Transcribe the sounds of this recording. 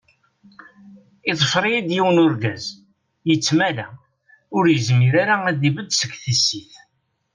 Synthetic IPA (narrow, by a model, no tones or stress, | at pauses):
iðˤəfɾˤijid̪jiwənʊɾɡæz | jət͡sːmælæ | ʊɾjəzmiɾaɾaæd̪ivəd̪sə̥ɡθisiθ